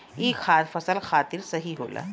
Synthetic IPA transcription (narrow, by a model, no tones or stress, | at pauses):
iːkxaːt̪fɐsəlxaːt̪ɪɾsɐɦiɦoːla̰ː